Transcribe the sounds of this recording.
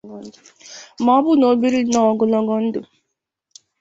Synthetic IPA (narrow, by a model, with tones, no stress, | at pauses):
mɔ˨˦bʊ˦no˨˦bi˦ɾi˦nɔ˨ɡʊ˦lɔ˦ɡɔ˦n̩˦dʊ˨